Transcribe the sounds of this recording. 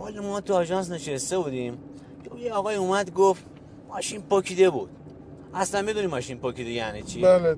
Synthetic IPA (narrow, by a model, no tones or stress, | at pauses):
ɒːlomɒːt̪uɒːʒɒns̬neʃest̪e̞bud̪im | kejeɒːɣɒːiumæd̪ɡoft̪ | mɒːʃinpokʰid̪ebud̪̥ | ʔæslænmmid̪unimːɒːʃinpokʰid̪ejæːnit͡ʃʰiaːle